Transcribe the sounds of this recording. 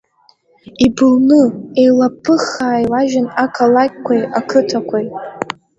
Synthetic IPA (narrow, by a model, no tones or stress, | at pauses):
ibɨlnɨe̞jlapʰːɨχaːjwaʒᶣanakʰalakʲkʷajakʰɨtʰakʷʰaj